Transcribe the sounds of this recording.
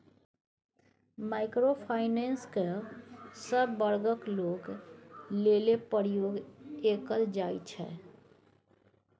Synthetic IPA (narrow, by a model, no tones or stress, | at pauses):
maːɪkɾopʰaːɪnẽːnske | səbːəɾɡəkloːɡ | lelepəɾjoːɡeːkəld͡ʒaːit͡ʃʰɛ̰ː